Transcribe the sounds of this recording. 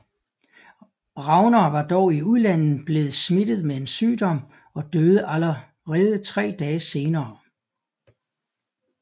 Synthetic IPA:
ʁɑ̈ʊnɐːʋɑ̈d̥ɒʊiuðˠlæn̰n̩b̥le̝ːð̞̩ˠsmid̥ð̞̩ˠmee̝nsyːd̥ɒ̽m̰ | ɒ̽d̥øːð̞ˠəʔælɐ | ʁɛːð̞ˠət͡sʰʁɛ̰ːd̥ɛːse̝ːnɐː

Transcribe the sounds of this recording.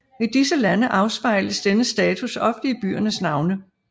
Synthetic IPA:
id̥isəlænəʔɑ̈ʊsb̥ɑ̈ɪləsd̥enəsd̥ɛːt͡sʰusɒ̽fd̥əib̥y̰ːɐnəsnɑ̈ʊnə

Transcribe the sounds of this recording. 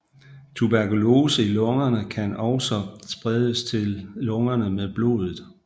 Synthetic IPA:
t͡sʰub̥æɐkʰulo̝ːsəilɔ̽ŋɐnəkʰænɒʊsɒ̽sb̥ʁɛðˠəst͡sʰe̝lːɔ̽ŋɐnəmeðˠb̥lo̝̰ːð̞ˠð̩ˠ

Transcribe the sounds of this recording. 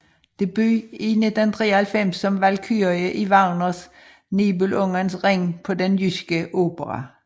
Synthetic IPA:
d̪̥ebyːinɪt̪ənt̪ʰʁeːhɛlfɛmsːɔmʋælkʰyːʁɪəʔiʋɑʁnəs | niːbʉlʔɔŋənsʁɛŋpʰɔd̪ɛnjyskəʔoːpəʁɑ̰

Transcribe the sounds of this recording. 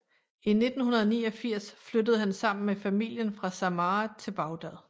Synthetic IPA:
ine̝d̥n̩hunɐð̞̩ˠnḭːɒ̽fiɐ̰sflød̥əð̞̩ˠɦænsɑ̈m̰n̩mefæmil̰jənfʁɑ̈sæmɑːt͡sʰe̝lb̥ɑ̈ʊd̥æðˠ

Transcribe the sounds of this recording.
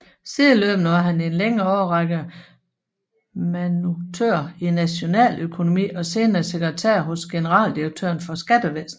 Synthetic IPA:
siːðˠløːb̥n̩əʋɑ̈ɦæne̝nleŋəɒʊɐʁɑɡ̥ə | mænut͡sʰø̰ɐ̰inæɕo̝nɛ̰ːløkʰo̝no̝mḭːɒ̽se̝ːnɐse̝ɡ̥ʁɛt͡sʰæ̰ɐ̰ɦɔ̽sɡ̥e̝nəʁɑ̰̈ːld̥iʁɐɡ̥̚t͡sʰø̰ɐnfɒ̽sɡ̥æd̥əʋesn̩

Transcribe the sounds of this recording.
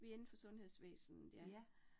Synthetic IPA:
ʋie̝nn̩fɒ̽sɔ̽nhe̝ðˠsʋḛːsn̩n̩d̥æ

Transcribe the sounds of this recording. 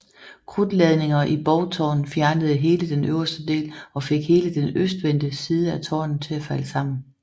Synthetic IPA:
kʰʁud̥lɛð̞ˠne̝ŋɐʔib̥ɒʊt͡sʰɒ̰ːn̩fjæɐnəð̞̩ˠəɦe̝ːləd̥enʔøʊ̰ɐsd̥əd̥e̝̰ːlɒ̽fe̝ɡ̥he̝ːləd̥enøsd̥ʋend̥əsiːð̞ˠəæt͡sʰɒ̰ːn̩t͡sʰe̝æfæləsɑ̈m̰n̩

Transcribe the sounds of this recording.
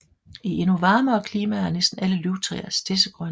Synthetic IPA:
ie̝nuʋɑ̈ːməɒ̽kʰliːmææɐnesd̥n̩æləlyʊt͡sʰʁɛ̰ɐsd̥ʰe̝səɡ̥ʁɶn

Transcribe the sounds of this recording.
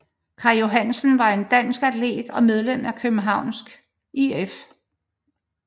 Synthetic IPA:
kʰɑ̈jo̝ɦæn̰sən̩ʋɑ̈e̝nd̥æn̰sɡ̥æd̥ʰle̝̰ːd̥ɒ̽með̞ˠlem̰ækʰøb̥n̩ɦɑ̈ʊ̰nsɡ̥ | ief

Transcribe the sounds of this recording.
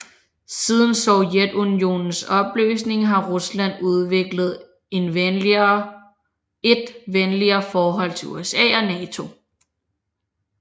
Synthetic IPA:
siːð̞ˠn̩sɒʊjed̥unio̝̰nn̩sɒ̽b̥ly̰ːsne̝ŋɦɑ̈ʁuslæn̰uð̞ˠʋe̝ɡ̥ləð̞̩ˠ | e̝n | e̝d̥ʋenliɐːfɒːɦɒ̽l̰t͡sʰe̝ṵesɛ̰ːɒ̽nɛːt͡sʰo̝

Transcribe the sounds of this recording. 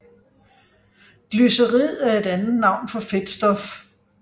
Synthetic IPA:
ɡ̥lysəʁið̰ˠæɐe̝d̥ænð̩ˠnɑ̈ʊ̰nfɒ̽fe̝d̥sd̥ɒ̽f

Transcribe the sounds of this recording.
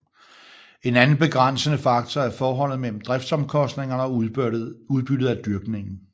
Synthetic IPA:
e̝nænn̩b̥e̝ɡ̥ʁan̰sənəfɑ̈ɡ̥̚t͡sʰɒæɐɐfɒːɦɒ̽l̰ð̩ˠmel̰m̩d̥ʁɛfd̥sɒ̽mkʰɒ̽sd̥ne̝ŋɐn | uð̞ˠb̥yd̥ð̩ˠæd̥yɐɡ̥ne̝ŋn̩

